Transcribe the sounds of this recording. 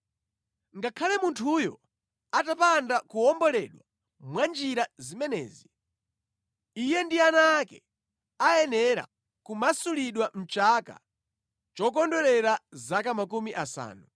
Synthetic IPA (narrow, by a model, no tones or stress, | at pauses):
ŋɡakʰalɛmuntʰujɔ | atapandakuɔmbɔlɛɗwa | mwand͡ʒiɾazimɛnɛ̰ːzi | ijɛndianaːkɛ | ajɛnɛɾa̰ | kumasuliɗwam̩t͡ʃaka̰ | t͡ʃɔk̬ɔndɔɾɛɾazakamakumiʔasa̰ːnu